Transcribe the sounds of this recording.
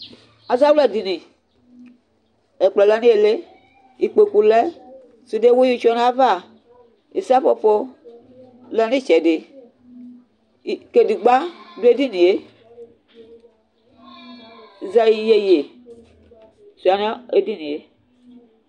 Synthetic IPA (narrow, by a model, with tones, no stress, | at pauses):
a˨za˦wlɛ˦˨di˨nĩ˨ | ɛ˨k͡plɛ˨lɛ˦nĩ˦e˨le˦ | i˨k͡pe˨ku˨lɛ˦ | su˨de˦wo˦i˦t͡ʃɔ˦n˦a˦va˦˨ | i˨sa˦fo˨fo˦ | lɛ˨nĩ˦˨t͡ʃɛ˨dɪ˨ | ke˨di˨ɡ͡ba˦du˦e˦di˦nĩ˨e˦˨ | zɛ˨i˨je˨je˨ | su˨a˨na˦e˦di˦nĩ˨e˦